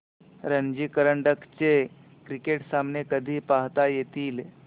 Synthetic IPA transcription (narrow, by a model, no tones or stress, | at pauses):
ɾənd͡ʒikəɾəɳɖəkt͡ɕe | kɾikeːʈsaːmnekəd̪ʱipaɦt̪ajet̪iːl